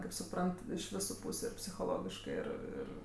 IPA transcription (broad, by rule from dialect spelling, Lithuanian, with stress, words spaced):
kɐɪp sʊˈprɐnt ɪʃ ˈʋʲɪsʊ ˈpuːsʲʊ ɪr pʲsʲɪxoːˈlˠoːɡʲɪʃkɜ ˈɪr ˈɪr